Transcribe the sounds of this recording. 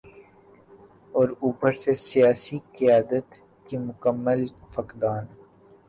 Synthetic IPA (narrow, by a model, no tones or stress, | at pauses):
ɔːɾuːpəɾsesijaːsikijaːd̪ət̪ | kimʊkəmːəlfɐkd̪aːn